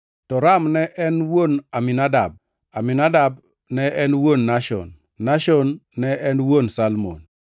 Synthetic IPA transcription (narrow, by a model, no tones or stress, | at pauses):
tɔɾamnɛʔɛnwonamɪnada̰b̚ | aminadab | nɛʔɛnwonːaʃɔ̰nː | aʃɔnːɛʔɛnwonsalmo̰n